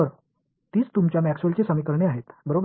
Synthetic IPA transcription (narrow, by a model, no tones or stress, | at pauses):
əɾ | t̪iːt͡st̪umt͡ɕjamæksuəlt͡ɕesəmikəɾɳeaɦet̪bəɾob